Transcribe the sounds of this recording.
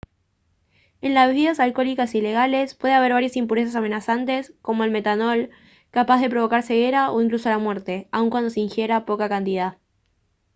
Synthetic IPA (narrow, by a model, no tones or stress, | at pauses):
e̞nlazeβiðasalko̞likasile̞ɣale̞spwe̞ð̞eaβ̞e̞ɾβ̞aɾjasimpuɾes̬as̬ame̞nasant̪e̞sko̞mo̞elme̞t̪ano̞l | kapazðe̞pɾo̞β̞o̞kaɾse̞ɣe̞ɾao̞iŋklusolamwe̞ɾt̪e̞auŋkwand̪o̞seiŋxje̞ɾapokakant̪iðað